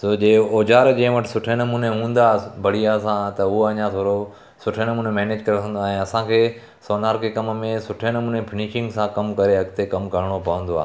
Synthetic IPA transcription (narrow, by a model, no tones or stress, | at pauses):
soːd͡ʑeːoːd͡ʑaːɾd͡ʑɐ̃ɦɪ̃ʋɐʈʰɪsʊʈʰenɐmuːneɦũːn̆d̪abʱɐɽ̤iasãt̪ɐʊɦoɐɲãt̪ʰoːɾo | sʊʈʰenɐmuːnemɛːneːd͡ʑkɐɾsə̃nd̪aɛẽːɐsãkʰeː | soːnaːɾkekɐmmẽsʊʈʰenɐmuːnepʰɪnɪʃɪ̃ŋɡsãkɐmkɐɾeɦɐɡt̪ekɐmkɐɾɪɽ̃opɐʋə̃nd̪oaː